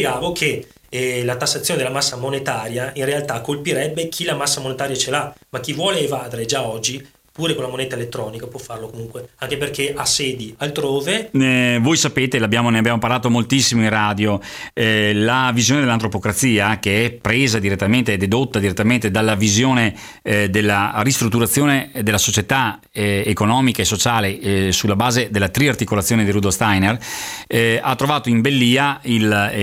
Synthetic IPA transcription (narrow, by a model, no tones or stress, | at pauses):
jeɡaːvokʰe | lat̪asːat̪sjoːned̪elːamasːamonet̪aːɾjainrealt̪akːolpiɾɛbːekʰilamasːamonet̪aːɾjat͡ʃelamak̟ːivwɔːleːvaːd̪eɾed͡ʒaɔd͡ʒːi | puːɾekolamonɛt̪aelet̪ːɾɔːnikapwɔfːarlokomuŋkweaŋkeperkeʔasːɛːd̪ialt̪ɾoːvevojsapeːt̪elabjaːmoneabjaːmopaɾlaːt̪omolt̪isːimoinraːd̪jo | lavizjoːned̪elant̪ɾopokɾat̪siːakeɛpːɾeːzad̪iɾet̪ːament̪eɛd̪ed̪ot̪ːad̪iɾet̪ːament̪ed̪alːavizjoːne | d̪elːarist̪ɾut̪ːuɾat̪sːjoːned̪elːasot͡ʃet̪a | ekonɔːmikaesot͡ʃaːlesulːabaːzed̪elːat̪ɾiart̪ikolat̪sːjoːned̪irud̪olst̪ajner | at̪ːɾovaːt̪oimbelːiːail